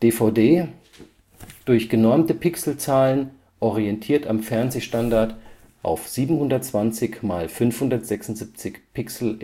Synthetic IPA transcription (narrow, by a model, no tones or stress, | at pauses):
d̥eːfaʊdeː | d̥ʊɐçɡ̥ənɔɐmtəpʰɪksl̩t͡saːlən | ʔɔʁiɛntʰiːɐtʰamfɛɐnzeːʃtandaɐt | ʔa̰ʊfz̥iːbm̩hʊndɐtt͡sv̥ant͡sɪçmaːlfʏnfhʊndɐtz̥ɛksʊntz̥ip̚t͡sɪçpʰɪksl̩